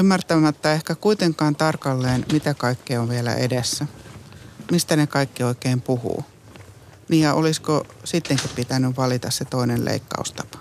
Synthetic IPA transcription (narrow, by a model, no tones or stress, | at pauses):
ymːært̪æmæt̪ːɑehkækuit̪eŋkɑːnt̪ɑrkɑlːeːnmit̪ækɑikːioʋʋielæ̰ʔḛdesːæ | mist̪ænekɑikːioikeːmpuhṵː | niːjɑʔoliskosit̪ːeŋkippit̪ænyʋʋɑlit̪ɑsset̪oinellḛikːɑ̰ust̪ɑ̥pɑ̥